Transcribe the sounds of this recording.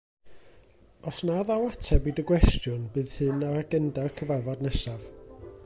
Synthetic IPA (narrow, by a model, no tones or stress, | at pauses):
ɔsnaðawatʰɛbiːdəɡwɛstjʊnbɨːð̥hɨnaaɡəndakʰəvarvɔdnɛsav